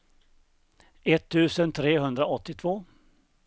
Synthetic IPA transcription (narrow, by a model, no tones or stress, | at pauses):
ɛt̪ʰːʉ̟ːsənt̪ʰɾeːɦɵnd̪ɾaɔt̪ːɪt̪ʰvoː